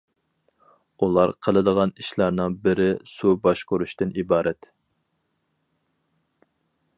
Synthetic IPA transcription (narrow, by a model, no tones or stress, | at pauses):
ulˠɑɾqʰəlˠɨd̪əʁɑniʃlˠɑɾnɨŋbɪɾɪsubɑʃkoɾuʃt̪ɨnibɑːɾʔɛt̪